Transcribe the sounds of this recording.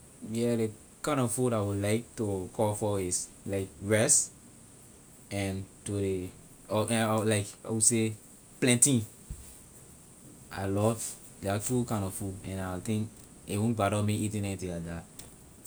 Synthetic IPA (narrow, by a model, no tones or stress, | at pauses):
jɛde | kãɪ̃ndɔfudawilaɪk̚tokʰɔfɔis | laɪk̚ɹɛs | ɛ̃ntode | ɔɛlaɪkawise | plɛ̃ntĩ | a̰ɪlɔv | dɛatukãɪ̃ndɔvfudɛ̃nat̪ĩŋk | ewũnbaɾɔmiitĩnɛnitĩada